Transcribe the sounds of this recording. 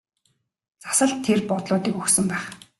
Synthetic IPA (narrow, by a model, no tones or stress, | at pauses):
t͡sḁsə̆ɬt̪ʰːerpɔt̪ɮʊːt̪iːkɵxsɵ̆mpæːχ